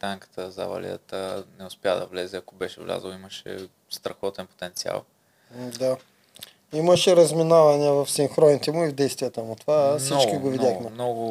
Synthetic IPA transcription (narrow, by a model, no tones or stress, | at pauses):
t̪aŋkə̥t̪əzɐ̰vɐ̰lʲḭə̰t̪ənɛʊspʲjad̪ɐvlɛzɛɐkobɛʃɛvlʲa̰zəlˠiməʃɛ̰ | st̪ɾɐxɔt̪ɛnpo̥t̪ɛnt̪sia̰lˠ | d̪a | iməʃɛɾɐzminavɐniəvɐfsiŋxɾɔnit̪ɛmʊivd̪ɛjst̪vijət̪əmʊt̪ovasit͡ʃkiɡovid̪ʲjaxmɛmnɔɡʊ